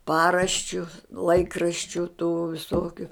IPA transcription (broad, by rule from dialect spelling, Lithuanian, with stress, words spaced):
ˈpɑːrɐʃʲt͡ʃʲʊ ˈlˠɐɪkrɐʃʲt͡ʃʲʊ tuː ʋʲɪˈsoːkʲʊ